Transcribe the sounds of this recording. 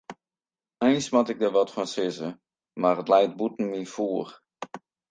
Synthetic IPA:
ɛjnsmɔtɪk̚dəʋɔtfɔnsɪzə | marətlɛjt̚butn̩mifuːr

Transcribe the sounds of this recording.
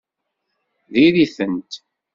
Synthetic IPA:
ðiðiθənt̪

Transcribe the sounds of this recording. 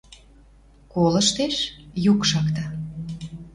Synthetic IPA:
kolə̆ʃt̪eʃjukʃɑkt̪ɑ

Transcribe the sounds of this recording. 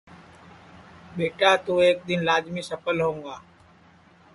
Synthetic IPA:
ɓeːʈaːt̪uːeːk̚d̪ɪnlaːd͡ʒmiːsəpəlɦõːŋɡaː

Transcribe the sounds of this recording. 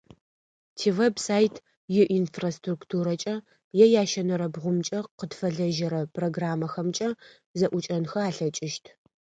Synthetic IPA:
tʰiːwebsaːjtʰ | jɪʔinfrastruktʰuːɾɐt͡ʃʼɐ | jɛjaːʃɐnɐɾɐbʁʷʊmt͡ʃʼɐqədfɐɮɐʒɐɾɐpʼroɡraːmɐxɐmt͡ʃʼɐ | zɐʔʷʊt͡ʃʼɐnxɐaːɬɐt͡ʃʼɪʃtʰ

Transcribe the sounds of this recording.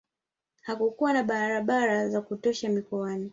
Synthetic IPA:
hakukuwanaɓaɾaɓaɾazakutɔʃamikɔani

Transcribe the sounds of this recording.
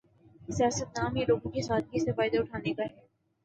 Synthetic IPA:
sijaːsət̪naːmjeloːɡõkesaːt̪̚ɡisefaːɪd̪aʊʈʰaːnekaɦɛː

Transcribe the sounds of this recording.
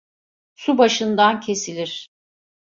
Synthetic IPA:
subaʃɯnd̪ancʰe̞silʲiɾ̥

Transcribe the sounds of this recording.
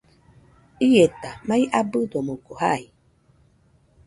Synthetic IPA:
ijet̪amãiʔabɨdomokohaj

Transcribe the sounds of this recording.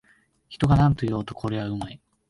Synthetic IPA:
çi̥t̪o̞ɡanãnt̪ojo̞ːt̪o̞kʰo̞ɾe̞βaɯ̟mai

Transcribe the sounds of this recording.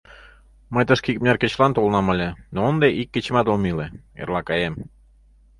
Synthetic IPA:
məjt̪əʃkikmnʲærkĕt͡ɕlɑnt̪olˠnɑmɑlʲenoənd̪eʔikːĕt͡ɕmɑt̪omileḛrlɑkɑjem

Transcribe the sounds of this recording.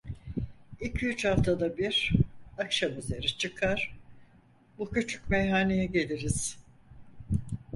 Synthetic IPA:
ilʲcʰyyt͡ʃhaft̪ʰad̪abiɾ̥akʃamyze̞ɾit͡ʃʰɯkʰaɾ̥ | bucyt͡ʃʰy̥cmejɦaːne̞jɛɟe̞lʲiɾiz̥

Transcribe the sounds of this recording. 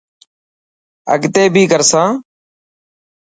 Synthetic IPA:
ə̰ɡt̪eːbʱiːɡəɾsãː

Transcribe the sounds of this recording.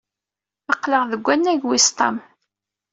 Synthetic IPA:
ɑqləʁðəɡʷːænːæʝwist̪ˤɑm

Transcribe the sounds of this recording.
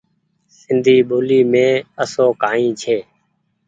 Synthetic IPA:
sɪnd̪ʱiːɓoːliːmẽːəsoːkaːĩːt͡ʃʰeː

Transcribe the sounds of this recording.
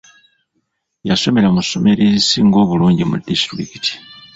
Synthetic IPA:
jaso̞me̞lamuso̞me̞ɾezisiŋɡo̞ːβuluːɲɟimṵdistḭkiti̥

